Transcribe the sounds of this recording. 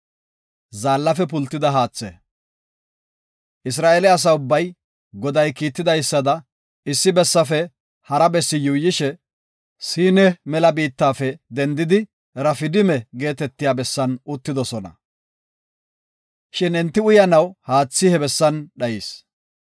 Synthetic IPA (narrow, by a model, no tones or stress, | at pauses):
zaːlːɐfɛp̬ʊlt̪ːɪd̪ɐɦaːt͡sːɛ̰ | ʔɪs̬ɾaːʔɛlɛɐs̬ɐʊbːɐj | ɡɔd̪ɐjkiːt̪ːɪd̪ɐjsːɐd̪ɐ | ɪsːɪbɛsːɐfɛ | hɐɾɐbɛsːɪjʊjːɪʃɛ | siːnɛmɛlɐbiːt̪ːaːfɛd̪ɛnd̪ɪd̪ɪ | ɾɐfɪd̪ɪmɛɡe̞ːt̪ɛt̪ːɪjaːbɛsːɐnʊt̪ːɪd̪ɔsɔnɐ̰ | ʃɪnɛnt̪ːɪʊjɐnɐwhaːt͡sːɪhɛbɛsːɐnɗɐjiːs